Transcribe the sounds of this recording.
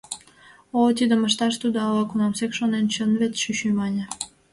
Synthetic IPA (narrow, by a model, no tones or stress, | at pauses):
ot̪id̪ə̆məʃt̪ɑʃt̪ud̪oɑlɑkunɑmsekʃonent͡ɕənβet̪ʃyɕymɑnʲə̆